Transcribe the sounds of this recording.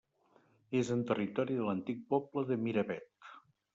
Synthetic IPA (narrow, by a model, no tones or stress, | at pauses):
ezənt̪ərit̪ɔɾiðələnt̪ik̚pɔpləðəmiɾəβɛt̪